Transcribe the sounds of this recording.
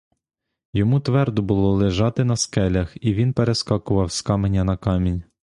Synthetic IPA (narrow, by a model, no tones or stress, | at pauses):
jɔmut̪ʋɛrd̪ʊbʊlˠɔlˠeʒɑt̪ɪnɐskɛlʲɐxiʋʲinpeɾeskɑkʊʋɐwskɑmenʲːɐnɐkɑmʲinʲ